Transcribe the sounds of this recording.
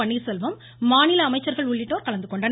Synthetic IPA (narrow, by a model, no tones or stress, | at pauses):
ɐɳːiɾsɔlʋɐmː | aːnɪlɐːmɐɪt͡ʃːɐɾɣɐɭʊɭːɪʈːoːɾkɐɭɐnd̪ɯkɔɳɖɐn